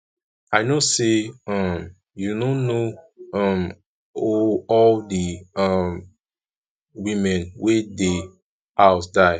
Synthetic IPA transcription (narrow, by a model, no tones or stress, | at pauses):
aɪnoseʌ̃m | junõnoʌm | oɔldiʌm | wĩmɛ̃nwede | aʊtdaɪ